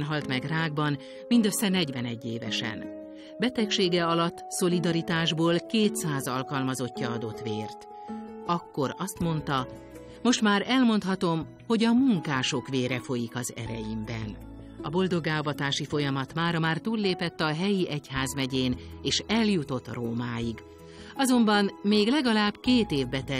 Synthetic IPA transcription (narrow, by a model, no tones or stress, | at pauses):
nɦɒlt̪mɛɡraːɡ̚bɒn | mind̪ø̞sːɛnɛɟvɛnɛɟːeːvɛ̰ʃɛ̰n | bɛt̪ɛkʃeːɡɛɒlɒt̪ːso̞lid̪ɒɾit̪aːʒboːlkeːt̪saːzɒlkɒlmɒzo̞cːɒɒd̪o̞t̪ʋeːrt̪ | ɒkːo̞ɾɒst̪mo̞nt̪ɒ | mo̞ʃt̪maːɾɛlmo̞nt̪hɒt̪o̞m | ho̞ɟɒmuŋkaːʃo̞kʋeːɾɛfo̞jikɒzɛ̰ɾɛ̰jimbɛ̰n | ɒbo̞ld̪o̞ɡaːvɒt̪aːʃifo̞jɒmɒt̪maːɾɒmaːrt̪uːlːeːpɛt̪ːɒɦɛjiʔɛchaːzmɛɟeːneːʃɛljut̪o̞t̪roːmaːjiɡ | ɒzo̞mbɒnmeːɡlɛɡɒlaːbkeːt̪eːvbɛt̪ɛ